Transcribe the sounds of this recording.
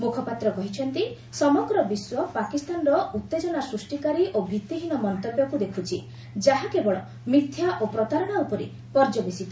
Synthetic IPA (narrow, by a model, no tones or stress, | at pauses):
mukʰɔpat̪ɾɔkɔɦit͡ʃʰɔnt̪i | sɔmɔɡɾɔbiswɔpakist̪anɔɾɔut̪ːed͡ʒɔnasɾusʈikaɾiʔobʱit̪ːiɦinɔmɔnt̪ɔbjɔkud̪ekʰut͡ʃʰi | d͡ʒaɦakebɔɭɔ̰ | mit̪ʰːjaʔopɾɔt̪aɾɔɽ̃aupɔɾḭ | pɔɾd͡ʒɔbisit̪